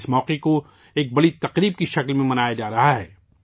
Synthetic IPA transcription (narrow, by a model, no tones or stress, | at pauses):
smɔːqeko | eːk̚bɐɽit̪ɐqɾiːb̚kiʃɐklmẽmɐnaːjad͡ʒaːɾɐɦaɦɛ̰ː